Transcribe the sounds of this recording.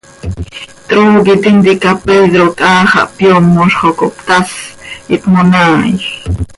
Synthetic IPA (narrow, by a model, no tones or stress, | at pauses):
t̪ɾoːɡit̪ind̪ikapeðɾok̪ʼaːχɑ̰ʔpjomːoʃχokopt̪asʔit̪monaːj